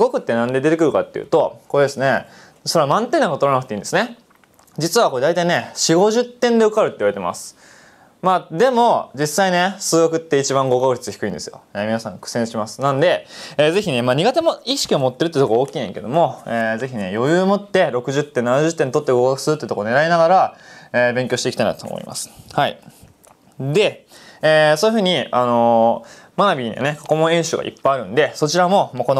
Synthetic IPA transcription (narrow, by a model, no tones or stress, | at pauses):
ɡo̞kɯ̟t̪ːe̞nãnd̪e̞d̪ee̞kɯ̟ɾɯ̟ka̰t̪ːe̞jiɯ̰t̪o̞ko̞ɾe̞d̪e̞sɨne̞ | so̞ɾe̞amãnt̪enːakot̪oɾanakɯ̟̥eĩnd̪esɨne̞ | d͡ʑit͡sɨβako̞e̞d̪ait̪aine̞ɕiɡo̞ʑɨt̪ːẽnd̪e̞okaɾɯ̟t̪ːeiβaɾet̪e̞ma̰sɨ̥ | mad̪e̞mo̞d͡ʑisːaine̞sɨːɡakɯ̟t̪ːe̞it͡ɕibãŋɡo̞ɡakɯ̟ɾʲi̥t͡sɨ̥çi̥kɯ̟ĩnd̪e̞sɨjo̰eːmʲinasã̰ŋkɯ̟̥sẽɰ̃ɕimasɨ̥nãnd̪e̞eːze̞çine̞maːɲ̟iɡat̪e̞moiɕi̥kʲio̞mo̞t̪ːe̞ɾɯt̪̬ːei̟t̪okoaoːkʲiːnẽŋked̪o̞mo̞eːze̞çine̞jo̞jɯ̟ːmo̞t̪ːe̞ɾo̞kɯ̟ʑɨt̪ːẽ̞nːanaʑɨt̪ːẽnt̪o̞t̪ːeɡo̞ɡakɯ̟sɨɾɯt̪ːeɯ̟t̪okone̞ɾainaɡaɾaeːbẽ̞ŋkʲo̞ːɕitekʲit̪aina̰t̪o̰mo̰ḭmʔa̰sɨ̥haḭ | d̪e̞ | eːsojɯ̟ɸɯ̟ːɲ̟iano̞ | manabʲia̰ne̞kḁko̞mõẽ̞ɰ̃ɕɨːɡa̰ʔḭpːaiaɾɯ̟̃nd̪e̞so̞t͡ɕiɾamo̞mako̞n